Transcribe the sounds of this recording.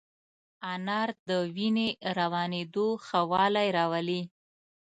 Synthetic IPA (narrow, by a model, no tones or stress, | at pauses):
anɑɾd̪əwineɾawɑned̪oxawɑlajɾɑwali